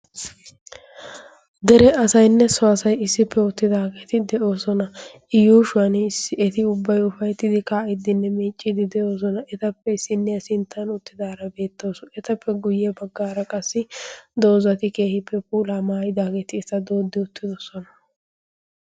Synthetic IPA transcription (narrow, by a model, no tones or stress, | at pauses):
d̪ɛɾɛɐsɐjnːɛsɔɐsɐjɪsːɪpʰːɛʊt̪ːɪd̪aːɡeːt̪ɪd̪ɛʔo̞ːsɔnɐ | ɪjuːʃʊɐnsːɪɛt̪ɪʊbːɐjʊfɐjt̪ːɪd̪ɪkaːʔɪd̪ːɪnːɛmiːt͡ʃʼːɪd̪ɪd̪ɛo̞ːs̬ɔnɐɛt̪ɐpːɛɪsːɪnːɛɐsɪnt̪ʰːɐnʊt̪ːɪd̪aːɾɐbe̞ːt̪ːo̞ːsʊɛt̪ɐpʰːɛɡʊjːɛbɐɡːaːɾɐkʼɐsːɪd̪o̞ːzɐt̪ɪke̞ːhɪpʰːɛpuːlamaːjd̪aːɡeːt̪ɪɛsɐd̪o̞ːd̪ːɪʊt̪ːɪd̪ɔsɔnɐ